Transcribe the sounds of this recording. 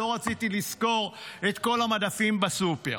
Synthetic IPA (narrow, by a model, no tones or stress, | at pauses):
o̞ʁat͡sit̪ilisko̞ʁetko̞lamadafimbasupe̞̰ʁ